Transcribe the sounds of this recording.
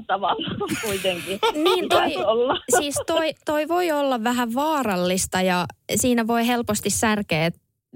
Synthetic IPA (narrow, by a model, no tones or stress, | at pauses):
t̪ɑʋɑlːɑkuit̪eŋkiniːnt̪oiolːɑsiːst̪oit̪oiʋoiolːɑʋʋæɦæʋʋɑːɾɑlːist̪ɑjɑsiːnæʋo̞iɦelpost̪issærkeːt̪